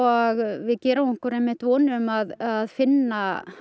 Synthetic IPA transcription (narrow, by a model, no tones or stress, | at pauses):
aɣvɪðcɛːɾamɪŋkʏɾɛjmɪht̪vɔːnʏmaðaðfɪnːa